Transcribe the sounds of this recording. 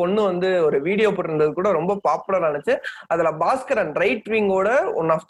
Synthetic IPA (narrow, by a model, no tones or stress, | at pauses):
ɔɳːɯʋɐnd̪ɯɔɾɯʋiːɽɪjoːpɔːʈːɪɾɯnd̪ɐðɯkuːɽɐɾɔmbɐpaːpɯlɐɾaːɛnɯt͡ʃːɯɐðɐlaːbaːskɐɾɐnɾɐɪʈʋiŋɡoːɽɐɔ̰nːaːft̪